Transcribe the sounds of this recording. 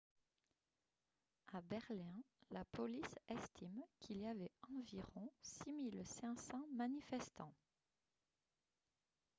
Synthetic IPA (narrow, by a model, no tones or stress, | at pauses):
abɛʁlɛ̃ | lapʰɔlisɛst̪ʰimkʰiliavɛɑ̃viʁɔ̃similsɛ̃sɑ̃manifɛst̪ɑ̃